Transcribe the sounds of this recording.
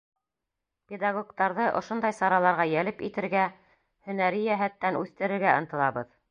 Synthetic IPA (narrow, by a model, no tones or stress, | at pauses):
pʲed̪ɑɡokt̪ɑɾðɤʔŏ̰ʃond̪ɑjsɑɾɑlˠɑɾʁɑjælɘpḭt̪ɘ̆ɾɡæ | hɵ̆næɾijæɦæt̪ːænʔʉθt̪ɘ̆ɾɘ̆ɾɡæɤ̆nt̪ɤ̆lˠɑβɤð